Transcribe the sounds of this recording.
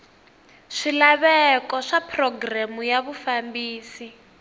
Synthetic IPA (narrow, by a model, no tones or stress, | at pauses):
ʂilaβɛkɔʂapʰrɔɡramujaβufambiːsi